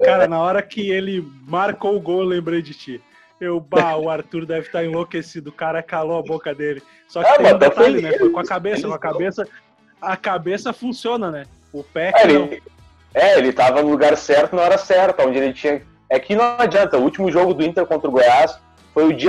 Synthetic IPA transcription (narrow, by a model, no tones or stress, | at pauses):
kaɾɐnɐɔɾɐkɪelɪmaɾkowʊɡowewlẽmbɾejd͡ʒɪt͡ʃɪ | ewbaʊaɾt̪uɾd̪ɛvɪt̪aɾẽlokesid̪ʊkaɾɐkaloabokɐd̪elɪ | sɔk̪ãẽɐ̃d̪ẽfolɪnɛfojkõɐkabesɐkkõɐkabesɐ | ɐkabesɐfũsiõnɐnɛ | ʊpɛɛelɪ̃ | ɛelɪt̪avɐnʊluɡaɾsɛɾt̪ʊnɐ̃ɛɾɐsɛɾt̪ɐõd͡ʒɪelɪt͡ʃĩɲɐ | ɛkɪnɐ̃ad͡ʒiɐ̃nt̪ɐuut͡ʃimʊʒoɡʊd̪ʊĩnt̪eɾkõnt̪ɾʊɡojas | fojʊd͡ʒi